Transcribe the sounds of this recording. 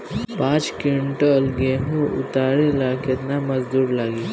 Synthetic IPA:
pãːt͡ʃkɪɳʈɐlɡeɦũʊ̰t̪aːɾelaːket̪namɐzd̪uːɾlaːɡiː

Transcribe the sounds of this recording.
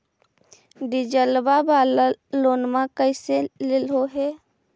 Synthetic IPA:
ɖid͡ʒəlbaballoːnmãkəɪselelɦoɦɛ

